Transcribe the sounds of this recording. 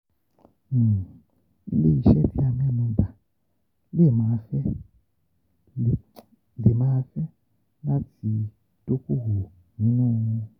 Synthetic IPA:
ḭ˦li˦˨i˨ʃɛ˦tʰi˦a˨mɛ˦˨nu˨ba˨ | li˦˨ma˨˦fɛ˦˨ | li˨ma˦fɛ˦ | la˦t͡sʰi˨ | tʼo˦ku˦ɦu˨ | mi˦noː˦ŋu˦

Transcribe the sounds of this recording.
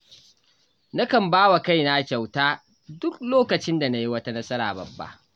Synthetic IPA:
na˦kɐ˨mbaː˦wa˨ka˦jna˦kʲa˨wtaː˦ | dʊ˦k̚loː˦kɐ˨t͡ʃɪ˦nda˨na˦ji˦wɐ˦ta˦nɐ˦sɐ˦ɾa̰ː˨bɐ̰˨bːa̰˦ʔ

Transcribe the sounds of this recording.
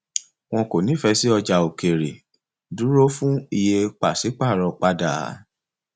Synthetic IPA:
w̃ɔ̃˧ko˨nĩ˨˦fɛ˧si˦ɔ˧d͡ʒa˨o˨ke˨ɾe˨ | du˨˦ɾo˦fũ˦i˧je˧k͡pa˨si˨˦k͡pa˦˨ɾɔ˧k͡pa˧da̰˨˦

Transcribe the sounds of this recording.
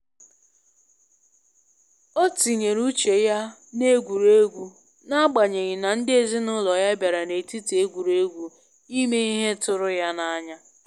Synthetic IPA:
o˦ti˨ɲe˨ɾu˦t͡ʃe˨ja˦ne˦ɡʷu˨ɾe˦ɡʷu˦ | na˦ɡ͡ba˨ɲe˨ɣɪ˨na˨n̩˦dɪ˦e˨zi˦nʊ˦lɔ˨ja˦bja˨ɾa˨ne˨ti˦ti˨e˦ɡʷu˨ɾe˦ɡʷu˦ | i˦me˦i˦ɦe˦tʊ˦ɾʊ˦ja˦na˦ɲa˦

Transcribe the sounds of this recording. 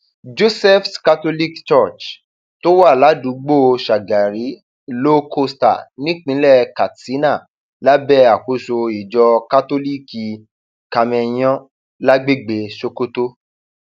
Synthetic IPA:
d͡ʒo˦sɛ˦fka˦to˦li˦kt͡ʃɔ˦˨t͡ʃ | to˦wa˦˨la˨˦dũ˨˦ɡ͡bo˦˨ʃa˨ɡa˨ɾi˨˦ | lo˦kʰo˦sta̰˨nĩ˦k͡pĩ˨˦lɛ˦˨ka˨ti˨˦na˦˨ | la˦bɛ˦a˨ko˧˦so˧i˨d͡ʒɔ˧ka˦to˦li˦˨ki˧ | ka˧mɛ̃˧j̃ɔ̃˦ | la˦ɡ͡be˦ɡ͡be˧ʃo˧ko˦to˦

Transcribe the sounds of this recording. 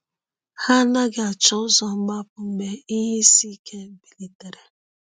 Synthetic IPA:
ha˦na˦ɡɪ˨a˨t͡ʃɔ˦ʊ˦zɔ˨m̩˦ɡ͡ba˦pʊ˨m̩˦me˦i˦ɦe˦si˦kʰe˦bi˨li˨te˨ɾe˨

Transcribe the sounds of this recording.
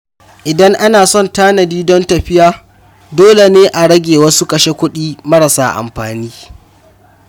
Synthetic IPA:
ʔɪ˨dɐ˦ŋʔa˦naː˨sɔ˦˨ntaː˦nɐ˨diː˦dɔ˦ntɐ˨ɸɪ˦jaː˦ | doː˦le˨neː˦ʔa˨ɽɐ˦ɡʲeː˨wɐ˦su˦kɐ˨ʃe˦kʷʊ˦ɗiː˦mɐ˦ɽɐ˨sa̰ː˨˦ʔa̰˨mɸaː˨niː˦

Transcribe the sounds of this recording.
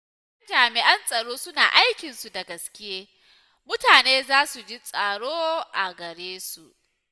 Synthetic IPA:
ɐ˦nd͡ʒaː˨mɪ˨ʔɐ˦nsʼɐ˨ɽoː˦sʊ˦na̰ː˨ʔa˦jkʲɪ˨nsu˨dɐ˨ɡɐ˨skʲɪ˦jeː˦ | mʊ˦taː˨neː˦zaː˦su˨d͡ʒi˦sʼɐ˨ɽoː˦ʔa˨ɡɐ˨ɽeː˦su˨ʔ

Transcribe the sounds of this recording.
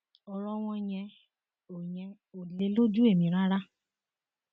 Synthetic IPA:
ɔ˧ɾɔ˦w̃ɔ̃˧jɛ̃˧ | o˨ɲɛ̃˧ | o˨le˨˧˦lo˦d͡ʒu˦e˦˨mĩ˧˨ɾa˦ɾa˦

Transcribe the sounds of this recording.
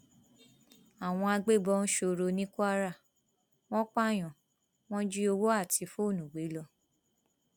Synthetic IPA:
a˨w̃ɔ̃˧a˧ɡ͡be˦˨bɔ˧˦˧n̩˦ʃo˧ɾo˧nĩ˦ku˦a˦ɾa˦˨ | w̃ɔ̃˦k͡pa˦˨j̃ɔ̃˨ | w̃ɔ̃˦d͡ʒi˦o˧wo˦a˦˨tʰi˧fo˦˨nũ˨ɡ͡be˨˦lɔ˧

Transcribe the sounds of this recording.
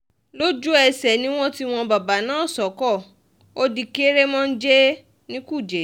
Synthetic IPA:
lo˦d͡ʒu˦ɛ˧sɛ˨nĩ˦w̃ɔ̃˦ti˦w̃ɔ̃˧ba˨ba˨˦nãː˦˨sɔ˨˦kɔ˦˨ | o˦di˧ke˦ɾe˦mɔ̃˦n̩˦d͡ʒe˦ | nĩ˦ku˦˨d͡ʒe˨˦

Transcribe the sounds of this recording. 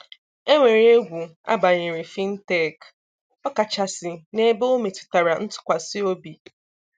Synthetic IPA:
e˦ŋʷe˨ɾe˨˦e˦ɡʷu˨a̰˦ba˨ɲe˨ɾi˨fi˦n̩˦te˦˨k | ɔ˦ka˨t͡ʃa˨sɪ˨ne˦bo˦o˦me˨tɪ̥˨ta˨ɾa˨n̩˦tʊ̥˨kʷa˨sɪ˦o˦bi˨

